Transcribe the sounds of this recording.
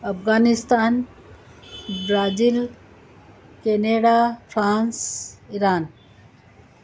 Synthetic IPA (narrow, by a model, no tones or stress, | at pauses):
ɐpɣaːnist̪aːn | bɾaːzil | keneːɖaːpʰɾaːnsiɾaːn